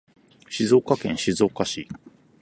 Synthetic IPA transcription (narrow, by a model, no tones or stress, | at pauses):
ɕizo̞ːkakẽ̞ɰ̃ɕizo̞ːkaɕi